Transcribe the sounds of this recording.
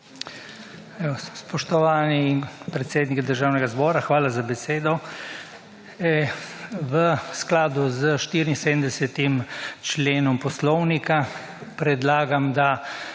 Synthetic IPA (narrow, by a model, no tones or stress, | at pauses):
ɛsspɔʃt̪ɔʋaːnipɾɛt̪seːd̪nikid̪əɾʒaːwnɛɡazbɔːɾaxʋaːlazabɛseːd̪ɔ | ʋəsklaːd̪uzəʃt̪iːɾinsed̪nd̪ɛsɛt̪imt͡ʃleːnɔmpɔslɔwnika | pɾɛd̪laːɡamd̪a